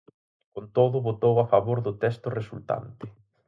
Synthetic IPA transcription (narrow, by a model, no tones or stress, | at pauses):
kont̪oðʊβot̪owafaβoɾðʊt̪ɛst̪ʊresult̪a̰nt̪ɪ̥